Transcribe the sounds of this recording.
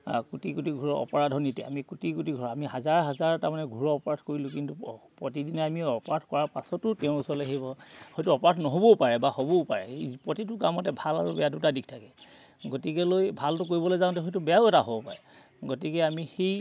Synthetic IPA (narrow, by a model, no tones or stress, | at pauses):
kutikutiɡʱuɹɔɔ̰pɔɹadʱɔnitɛ̰a̰mikutikutiɡʱuɹɔamihazaɹɦazaɹɛtamanɛɡʱuɹɔɔpɔɹatʰkoɹilʊkintupɹotidinɛamiɔpɔatʰkɔɹapasɔtʊtɛʊ̃usɔleɦebɔhɔjtuɔpɔɹatʰnɔɦobɔpaɹɛbahobɔpa̰ɹɛpɹotitʊkamɔtɛbʱala̰ɹubɛjadutadik̚ʰtʰakɛ | ɡotikɛlojbʱaltʊk̬oɹibɔlojzãʊ̃tɛɦɔjtubɛjaʊɛtaɦobɔpa̰ɹɛ | ɡotikɛamixej